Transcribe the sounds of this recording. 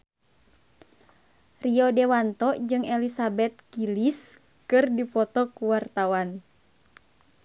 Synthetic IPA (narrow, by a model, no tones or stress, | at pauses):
riɔdɛwant̪ɔd͡ʒɨŋɛlisabɛt̪̚kilis | kɨrdipɔt̪ɔkuwart̪awan